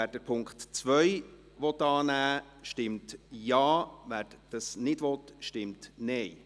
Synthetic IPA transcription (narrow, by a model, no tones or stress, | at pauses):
æːɾd̥əpʰʊŋkχtt͡sʋœj | ʋɔt̪ːɑːnæː | ʃtɪmtjɑːʋæːɾd̥əsnɪdʋɔt̪ʃtɪmtnɛj